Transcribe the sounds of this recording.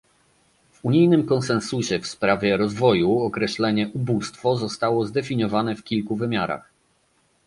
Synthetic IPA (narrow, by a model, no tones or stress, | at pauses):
vuɲijnɘmkɔnsɛnsuɕɛfspɾavʲjɛɾɔzvɔjuɔkɾɛɕlɛɲɛʔubust̪fɔzɔst̪awɔzd̪ɛfʲiɲɔvanɛfkʲilkuvɘmʲjaɾa̰x